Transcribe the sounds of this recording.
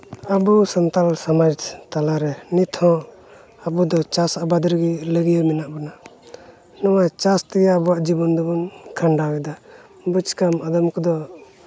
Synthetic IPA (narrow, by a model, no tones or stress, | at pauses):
əbusant̪alsamad͡ʒt̪alaɾɛnit̪ʰɔ̃ | abud̪ɔt͡ʃasabad̪ɾɡiləɡijəmɛnaʔbana | nɔwat͡ʃast̪ɛɡabɔwaʔd͡ʒibɔnd̪ɔbɔnkʰaɳɖaɡɛd̪a | but͡ʃkamad̪ɔmkɔd̪ɔ